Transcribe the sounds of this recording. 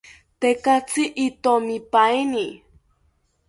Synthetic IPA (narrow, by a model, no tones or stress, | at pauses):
t̪ekat͡siʔːt̪omipaeni